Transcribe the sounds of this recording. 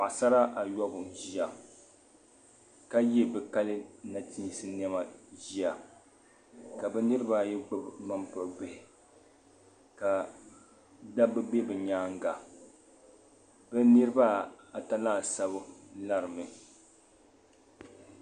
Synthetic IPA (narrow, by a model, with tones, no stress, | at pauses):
a˨sa˦ɾa˦ʔa˨jɔ˦bʊ˨ʒi˦a˨ | ka˦jɛ˦bɛ˨ka˦lɨ˦na˨ti˦˨sɨ˦n˦ɛ˦ma˨ʒi˦a˨ | ka˨bɛ˨nɨ˦ɾɨ˦ba˦˨jɛ˦ɡ͡bɨ˦bma˦mpɔ˨ɡ͡bɛ˨hɪ˨ | ka˨ | da˦bɛ˦ɡ͡be˦bɛ˨ɲaː˦ŋ˦ɡa˨ | bɛ˦nɨ˦ɾɨ˦ba˦a˨ta˦la˦˨sa˦bɨ˦la˦ɾɨ˨mɨ˨